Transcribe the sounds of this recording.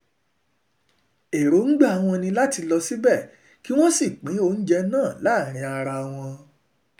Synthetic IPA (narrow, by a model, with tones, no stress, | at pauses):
e˨ɾo˨˦ŋ̩˦ɡ͡ba˦˨a˨w̃ɔ̃˧nĩ˧la˦ti˧lɔ˧si˦bɛ˦˨ | ki˦w̃ɔ̃˦si˦˨k͡pĩ˨˦o˦˨n̩˦d͡ʒɛ˧nãː˦˨la˨˦˨ɾ̃ĩ˧a˧ɾa˧w̃ɔ̃˧